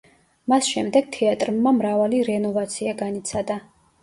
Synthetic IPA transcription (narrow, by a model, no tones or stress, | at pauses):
masʃɛmd̪ɛɡ̥̚t̪ʰɛat̪ʼɾmːamɾavaliɾɛnɔvat̪sʰiaɡanit̪sʰad̪a